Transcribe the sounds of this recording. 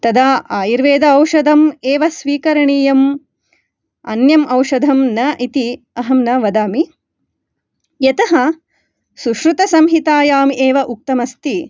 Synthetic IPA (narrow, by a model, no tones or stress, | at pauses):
t̪ɐd̪aːaːjiɾʋeːd̪ɐɐwʃɐd̪ʱɐmeːʋɐsʋiːkɐɾɐɳiːjɐm | ɐ̰njɐmʔɐwʃɐd̪ʱɐmnɐʔit̪i | ɐɦɐmnɐʋɐd̪aːmi | jɐt̪ɐɦɐ | suʃɾut̪ɐsɐmɦit̪aːjaːmiʔeːʋɐʔuk̚t̪ɐmɐst̪i